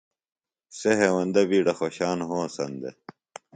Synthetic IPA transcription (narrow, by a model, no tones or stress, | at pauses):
seɦewɐnd̪ɐbiːɽɐxoɕaːnɦoːsɐ̰nd̪ḛ